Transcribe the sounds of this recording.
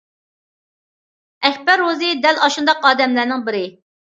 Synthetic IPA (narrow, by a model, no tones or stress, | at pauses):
ɛkʲpæɾozɪd̪ɛlɑʃund̪ɑqɑːd̪ɛmlæɾnɪŋbɪɾɪ